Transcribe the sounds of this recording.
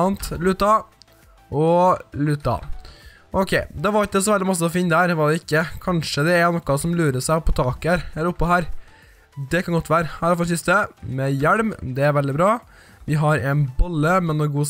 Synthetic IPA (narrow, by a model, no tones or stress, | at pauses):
ɑnt̪lʉt̪ːɑ | ɔlʉt̪ɑ̰ | ɔkʰeɪd̪ɑʋɑɾt̪əs̬ɔʋɛld̪ɪmɑs̬ːəɔfɪnːd̪æːɾʋɑd̪ɛɪkːəkʰɑnʂəd̪ɛæɾnɔkːɑsɔmlʉːɾəsæɪpʰɔt̪ʰɑːkæɾɛlːəɾʊpːɔhæːɾ | d̪ɛkʰɑnɡɔt̪ːʋæːɾəhæːɾfɔɾɛsɪst̪əmɛjæɽmd̪ɛæɾʋɛld̪ɪbɾɑː | ʋɪɦɑɾɛnbɔlːəmɛnːoɡuːs